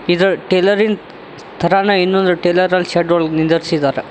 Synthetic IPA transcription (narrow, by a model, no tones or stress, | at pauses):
id̪ɐʈeːlɐɾin | st̪ʰɐɾaːnɐinːond̪ɾuʈeːlɐɾɐlʃeːɖɐɭɡnid̪ɐɾsid̪aːɾe